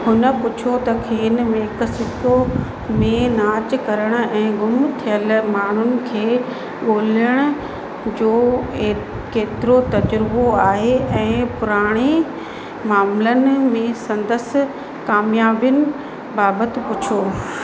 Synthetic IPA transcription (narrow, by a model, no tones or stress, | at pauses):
hʊnəpʊt͡ɕʰot̪ɐkʰeːɪnmẽɦɪksɪt̪o | mẽnaːt͡ɕ̆kɐɾəɽ̃̆ɛ̃ːɡʊmt̪ʰijəlmaːn̤ʊnɪ̆kʰeː | ɠoːl̤əɽ̃ʊ̆ | d͡ʑoː | keːt̪ɪɾot̪ɐd͡ʑɾboaːɦeʔɛ̃ːpʊɾaːɽ̃e | maːmlənɪ̆mẽsɐ̃nd̪əs | kaːmjaːbjʊnɪ̆ | baːbət̪ɪ̆pʊt͡ɕʰoː